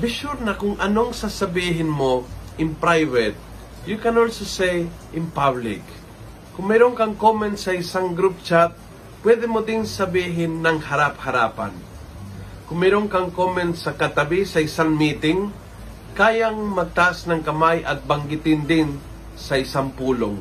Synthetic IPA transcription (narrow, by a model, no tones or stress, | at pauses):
bɪʃuɾnɐkʊŋʔɐnoŋsasɐbiːɦɪnmoɪnpɾajvɛt̪̚ | jukɛnolsosej | ɪ̃npablɪ̰kː | ʊmɛɾoŋkɐŋkomɛnt̪sɐɪsaŋɡɾup̚t͡ʃat̪̚ | pwɛd̪ɛmod̪ɪnsɐbiːɦɪnːɐŋhɐɾap̚hɐɾaːpɐ̰n | kʊmːɛɾoŋkɐŋkomɛnt̪sɐkɐt̪ɐbisɐɪsaŋmiːt̪ɪŋ | kaːjaŋmɐt̪asnɐŋkɐmajʔɐt̪̚bɐŋɡɪt̪ɪnd̪ɪn | sɐɪsaŋpuːlo̰ŋ